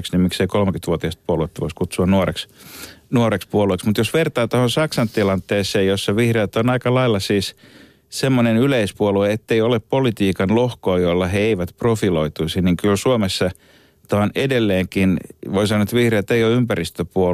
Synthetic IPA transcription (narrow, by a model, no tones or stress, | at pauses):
ksnimikseikolmekyt̪ʋuot̪iɑst̪̚puoluet̪ːɑʋoiskut̪suɑnnuoreksnuorekspuolueksmut̪josʋert̪ɑːt̪ohonsɑksɑnt̪ilɑnt̪ːˑeːseːjjosːɑʋihreːt̪onɑikɑlɑilːɑsiːs | semːonenyleispuolueet̪ːeioleppolit̪iːkɑnlohkoːjolːɑheeiʋæt̪profiloit̪uisiniŋkylsuomesːɑ | t̪oonedelːeːŋkinoisɑnoet̪ʋihreːt̪eijoympærist̪øpuo